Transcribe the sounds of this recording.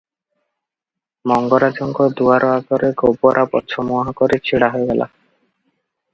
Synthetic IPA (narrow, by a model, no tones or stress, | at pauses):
mɔŋɡɔɾad͡ʒɔŋɡɔd̪uaɾʔɔaɡɔɾeɡowpɔɾʔapɔ̰t̪ːʃʰɔmuaɦɔkɔɾet͡ɕʰiɽaɦoeɡɛla̰